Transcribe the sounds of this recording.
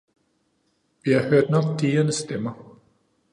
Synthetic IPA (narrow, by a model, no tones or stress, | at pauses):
ʋihɑ̈høɐ̰d̥nɒ̽ɡ̥̚d̥iːɐnəsd̥emɐ